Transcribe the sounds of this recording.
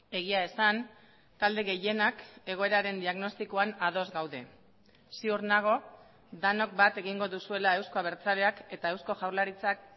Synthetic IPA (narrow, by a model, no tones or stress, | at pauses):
e̞ɣ̞iae̞san | t̪ald̪e̞ɣe̞je̞nake̞ɣ̞o̞e̞ɾaɾe̞nd̪iaɣno̞st̪iko̞anað̞o̞zɡawðe̞ | siurnaɣ̞o̞ | d̪ano̞k̚bat̪e̞ɣiŋɡo̞ðusue̞lae̞wsko̞aβe̞ɾt͡sale̞ake̞t̪ae̞wsko̞ʝawɾlaɾit͡sak̚